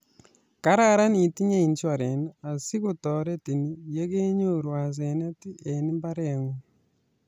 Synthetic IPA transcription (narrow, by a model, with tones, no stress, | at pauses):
ka˦ɾa˦ɾa˦ni˨ti˦ɲe˦i˨nt͡ʃɔ˨ɾe˨na˨si˦ko˦tɔ˨ɾe˦ti˨ni˦je˦ke˦ɲo˦ɾwa˨s̬e˨nɛ˦ti˦e˨ni˦mba˦ɾɛ˦˨ŋu˦